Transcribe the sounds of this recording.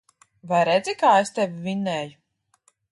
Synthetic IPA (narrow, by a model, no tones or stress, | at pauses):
vajɾed̪zʲikaːest̪evivʲinːɛːju